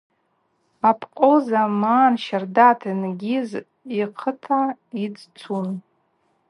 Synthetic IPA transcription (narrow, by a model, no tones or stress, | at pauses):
apʰqʼozamaːnʃardatʰinɡʲiz | iqʰətʰaid͡zt͡sʰun